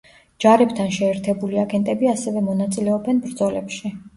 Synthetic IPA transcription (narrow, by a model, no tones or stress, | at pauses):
d͡ʒaɾɛpt̪ʰanʃɛːɾt̪ʰɛbuliaɡɛnt̪ʼɛbiasɛvɛmɔnat̪sʼilɛɔbɛnbɾd̪zɔlɛpʃi